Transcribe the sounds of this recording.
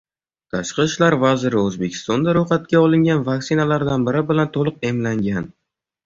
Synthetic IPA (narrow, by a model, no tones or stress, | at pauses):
t̪ʰaʃqɨʃlaɾvazɪɾɪɵzbekʲʰɪ̥st̪ɒnd̪aɾoχat̪̚kʲaɒlˠɪŋɡʲanvaksɪnalaɾd̪anbɪɾɪbɪlant̪ʰolˠɨqe̞mlaŋɡʲan